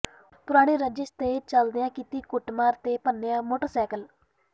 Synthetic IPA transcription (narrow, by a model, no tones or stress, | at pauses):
pʊɾaːɽ̃iːɾəd͡ʒɪst̪eːt͡ʃəld̪ɪjãːkiːt̪iːkʊʈmaːɾt̪eːpənːejãːmoːʈəɾsɛːkəl